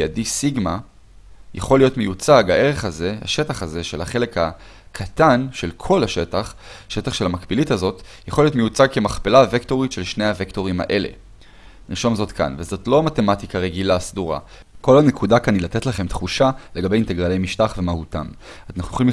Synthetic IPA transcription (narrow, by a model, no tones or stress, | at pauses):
adisiɡma | ja̰χo̞lːijo̞tme̞jut͡saɡaʔe̞ʁe̞χaze̞ha̰ʃe̞taχaze̞ʃe̞lhaχe̞le̞kha | kʰatanʃe̞lkʰo̞laʃe̞taχʃetaχʃe̞lhamakbilitazo̞t | jaχolijotmejut͡saɡ̚kemaχpelavekto̞ʁitʃe̞lʃnejhavekto̞ʁima̰ʔe̞le̞̰ | niʃo̞mzo̞tkʰa̰nvezo̞tlo̞amate̞matikaʁe̞ɡilasd̪uʁa̰ | ko̞lanekudakanilate̞tlaχe̞mtχuʃale̞ɡabe̞jinteɡʁalejmiʃtaχve̞mahutamanaχnujooli